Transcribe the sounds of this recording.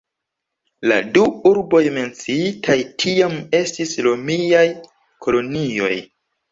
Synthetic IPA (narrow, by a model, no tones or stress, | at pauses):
la̰duuɾbo̞jme̞nt͡siitʰajtʰiame̞stislomijaj | kʰo̞lo̞nio̞̰j